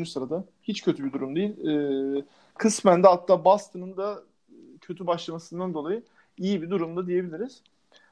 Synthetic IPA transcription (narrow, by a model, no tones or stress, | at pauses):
nysɯɾad̪a | hit͡ʃcʰø̞t̪ʰybid̪uɾumd̪ejilʲː | kʰɯsmænd̪ɛɦat̪ʰːaːbast̪ʰɯnɯnd̪a | cʰøt̪ʰybaʃlˠamasɯnd̪and̪olˠajɯ | ijibid̪uɾumd̪ad̪ije̞bilʲiɾiz̥